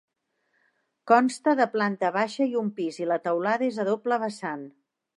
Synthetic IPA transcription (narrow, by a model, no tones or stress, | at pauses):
kɔnst̪əðəplant̪əβaʃəiumpizilət̪əwlaðəezəðopləβəsan